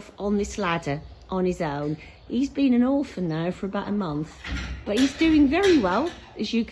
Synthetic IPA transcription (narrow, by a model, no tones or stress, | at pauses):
fə̃nðɪsladəʔə̃nɪzõʊ̃n | hizbĩnə̃nɔˑfənaʊfəɹəbaʊtəmʌ̃nθb̥ʌt̚hizdʉːɪ̃ŋvɛɹiwɛlˠ | əzjək